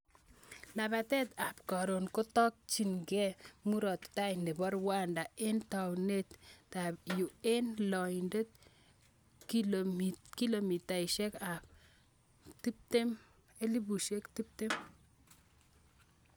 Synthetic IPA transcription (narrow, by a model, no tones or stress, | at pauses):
naβat̪ɛt̪apkɔɾonkɔtɔk̚t͡ʃiŋɡɛmuɾɔt̪tajnɪbɔɾwandaent̪awnet̪tabjuenlɔjndet̪̚ | ki | kilomit̪ajʃɛkap̚ | t̪ip̚t̪em | elibuʃekt̪ip̚t̪em